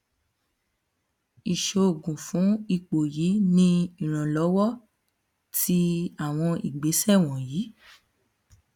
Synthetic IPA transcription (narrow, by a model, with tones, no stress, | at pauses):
i˨ʃo˨o˨ɡũ˨fũ˨˦i˧˨k͡po˨ji˨˦nĩ˦i˨ɾ̃ã˨lɔ˨˦wɔ˦˨ | tʰi˧˦a˨w̃ɔ̃˧ḭ˨ɡ͡be˨˦sɛ˦˨w̃ɔ̃˨jiː˨˦